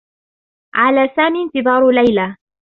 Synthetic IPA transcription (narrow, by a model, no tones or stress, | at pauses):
ʕalaːsaːmiːnt̪ɨðˤɑːɾˤlajla